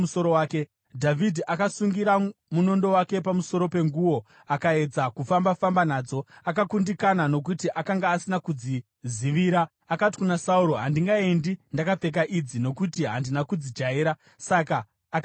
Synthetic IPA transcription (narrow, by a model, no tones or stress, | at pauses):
usoɾowaːke | dʱavʱidʱiʔakasuŋɡiɾamuno̞ndo̞wake̞pamuso̞ɾo̞pe̞ŋɡuwo̞ | akae̞d͡zakufambafambanaːd͡zo̞akakundikanano̞kutiʔakaŋɡaːsinakud͡zi | ziʋiːɾaː | kati̥kunasauɾo̞ɦandiŋɡaendindakap͡fe̞k̬aʔid͡zino̞kutiɦa̰ndinakud͡zid͡ʒaeːɾa | sakaː | k